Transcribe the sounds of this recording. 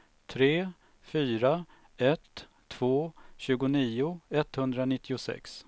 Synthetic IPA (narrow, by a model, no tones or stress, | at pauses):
t̪ʰɾeː | fyːɾa | ɛt̪ʰː | v̥oːɕʉ̟ːɡʊniːʊɛt̪ːhɵnd̪ɾanɪt̪ːɪʊsɛ̰ks